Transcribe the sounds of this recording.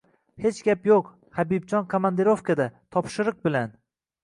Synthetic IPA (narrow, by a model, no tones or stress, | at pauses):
he̞t͡ʃɡʲapjoq | habibd͡ʒɒnkʰomand̪eɾofkʰad̪at̪ʰɒpʃɪɾɨq̚bɪlan